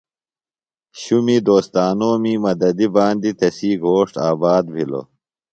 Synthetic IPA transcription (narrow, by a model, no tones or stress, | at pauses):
ɕumid̪oːst̪aːnoːmiːmɐd̪ɐd̪ibaːnd̪it̪ɐsiːɡʱoːʂʈaːbaːd̪̚bʱilo̰